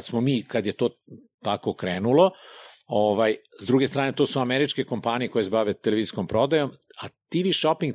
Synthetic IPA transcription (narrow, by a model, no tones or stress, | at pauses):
smomiːkad̪je̞t̪o̞ːt̪ako̞kɾeːnulo̞oʋajzd̪ɾuːɡest̪ɾaːne̞t̪oːsuameɾit͡ʃkeko̞mpaːnijeko̞jesbaʋe̞t̪eleʋiːzisko̞mpɾo̞d̪ajo̞mat̪iʋiʃopiŋɡ